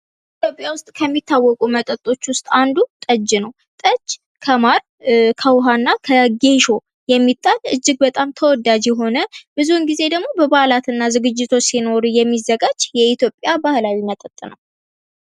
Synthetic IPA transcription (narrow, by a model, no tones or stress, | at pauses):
it̪jo̞pʼjawʊst̪ʼkʰəmːit̪ʰːawːɔkʼumət̪ʼət̪ʼːo̞t͡ʃːwʊst̪ʼand̪ut̪ʼəd͡ʒːnəw | t̪ʼəd͡ʒ | kʰəmaɾ | kʰəwɦanːakʰəɡe̞ʃo | jɛmːit̪ʼːalɨd͡ʒːɨɡ̚bət̪ʼamt̪ʰəwɔd̪ad͡ʒɛɦo̞nəb̥ɨzuhɨnɡize̞d̪əɡmo̞bəbahlat̪ɨnːazɨɡɨd͡ʒːɪt̪ʰo̞t͡ʃsino̞ɾujɛmːizːəɡad͡ʒjɛit̪jo̞pʼjabahlawimət̪ʼət̪ʼːɨnəw